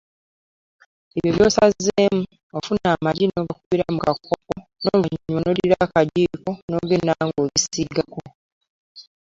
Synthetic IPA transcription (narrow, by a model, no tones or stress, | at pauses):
eβjoβjo̞ːsazːemu | ofunaːmaɾinoːɡakuβiɾamukakʰːokonoβuɲonoɾiɾakaɟiːkono̞ːɡe̞naŋɡoːβisiɡako